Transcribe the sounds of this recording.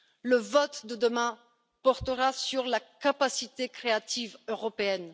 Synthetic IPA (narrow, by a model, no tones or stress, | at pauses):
ləvɔt̪d̪əd̪əmɛ̃ | pɔʁt̪əʁasyʁlakapasit̪ekχeat̪ivøʁɔpeɛn